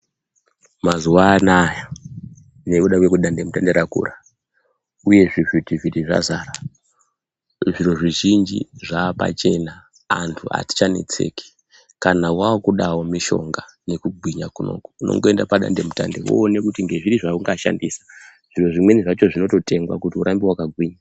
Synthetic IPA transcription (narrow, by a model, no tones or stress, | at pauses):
mazuwaːnaja | nekuɗakwekuɗandemutandeɾakṵra | uje̞ʐivitiviriʐa̰zaːra | ʐiro̞ʐiʒind͡ʒḭʐaːpa̰t͡ʃe̞na | a̰ntʰua̰ti̥t͡ʃane̞̰t͡se̞̰ːke̥ | kanawaːkuɗawo̞miʃo̞̰ŋɡane̞kuɡʱwiɲakuno̞̰ku̥uno̰ŋɡoe̞ndapaɗa̰nde̞muta̰ndewo̰ːne̞kutiŋɡe̞ʐiɾiʐauŋɡaʃa̰ndiːsḁʐ̥iro̞ʐimwe̞niʐat͡ʃo̞ʐino̞to̞te̞ŋɡwa̰kutiuɾʔambiwakaɡʱwiɲa